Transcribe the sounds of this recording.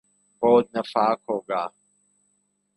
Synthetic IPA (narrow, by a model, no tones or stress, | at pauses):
boːd̪̚nəfaːkɦoːɡaː